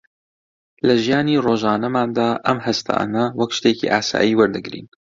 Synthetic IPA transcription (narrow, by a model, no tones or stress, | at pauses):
lɐʒijaːniroːʒaːnɐmaːnd̪aːʔɐmhɐst̪ʰa̰ːnɐwɐkʃt̪eːcḭʔa̰ːsa̰ːjiːwɐɾd̪ɨɡɾḭːn